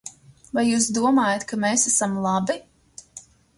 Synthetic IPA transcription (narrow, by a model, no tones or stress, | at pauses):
vajːuːsd̪uɔmaːjat̪kameːsasamlˠɑbi